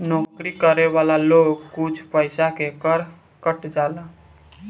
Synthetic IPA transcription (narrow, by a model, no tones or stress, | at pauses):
nɔːkɾikəɾeʋaːlaloːɡkʊt͡ʃʰpəɪsakekəɾ | kəʈd͡ʒaːla